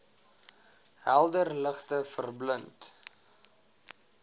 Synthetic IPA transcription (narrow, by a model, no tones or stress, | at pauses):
ɦælˠdərləχtəfərblənt